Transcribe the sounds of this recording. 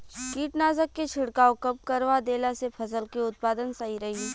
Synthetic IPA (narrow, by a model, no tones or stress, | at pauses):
kiːʈnaːzəkːet͡ʃʰɪɽkaːõkɐb̚kəɾʋad̪eːlasepʰɐs̬əlkiʊt̪̚paːd̪ənsaɦiɾɐɦi